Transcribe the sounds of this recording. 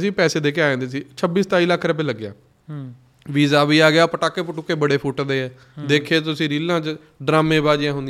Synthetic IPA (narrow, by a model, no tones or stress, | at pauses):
sĩːpɛːseːd̪eːkeaːãːd̪eːsiːt͡ʃʰəbiːst̪aːiːləkʰːɾəp̬eːləɡːja̰ː | ʋiːzaːʋiːaːɡɪjaːpəʈaːkːeːpəʈʊkːeːbəɽeːpʰʊʈd̪eːɛː | d̪eːkʰːeːt̪ʊsĩːɾiːlãːt͡ʃ | ɖɾaːmẽːbaːd͡ʒɪãːɦʊ̃nd̪i